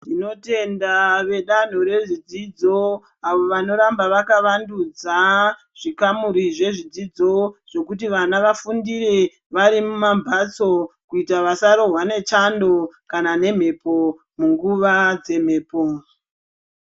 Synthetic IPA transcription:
dino̞te̞ndaʋe̞ɗan̤oɾe̞ʐid͡zid͡zo̞ | aʋo̞ʋano̞ɾambaʋakaʋandud͡za | ʐ̥ikamuɾiʐe̞ʐid͡zid͡zo̞ʐ̥o̞kutiʋanaʋafundire̞ | ʋaɾimumambʱat͡so̞kuitaʋasaɾo̞ɦwane̞t͡ʃando̞kanane̞m̤e̞po̞ | muŋɡuʋad͡ze̞m̤e̞ːpo

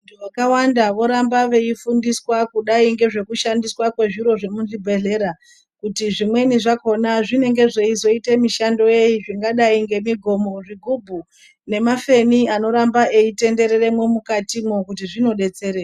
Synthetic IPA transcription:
tuʋakawandaʋo̞ɾambaʋe̞ifundiswakuɗaiŋɡe̞ʐe̞kuʃandiswakwe̞ʐiɾo̞ʐe̞munʐibʱe̞ɮe̞ɾa | kutiʐimwe̞niʐako̞naʐine̞ŋɡe̞ʐe̞izo̞itemiʃando̞je̞iʐiŋɡaɗaiŋɡe̞miɡʱo̞mo̞ʐiɡʱubʱu | ne̞mafe̞niano̞ɾambaʔeite̞nde̞ɾere̞mwemukatimwokut̬iʐino̞ɗe̞t͡se̞ɾe

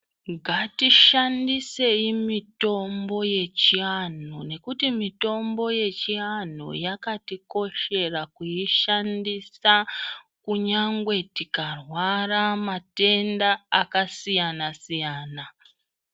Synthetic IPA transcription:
ɡʱatiʃandise̞imito̞mbo̞je̞t͡ʃian̤one̞kutimito̞mbo̞je̞t͡ʃian̤o̰jakatiko̞ʃe̞rakujiʃandisa | kuɲaŋɡwe̞tikarwaramate̞ndaːkasijanasijaːna

